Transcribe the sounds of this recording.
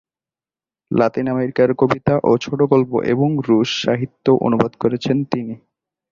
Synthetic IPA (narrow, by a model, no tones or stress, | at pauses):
lat̪inameɾikaɾkobit̪aʔot͡ɕʰoʈoɡolpo̰ʔeboŋɾuʃːaɦit̪ːoʔo̰nubod̪koɾet͡ɕʰent̪ini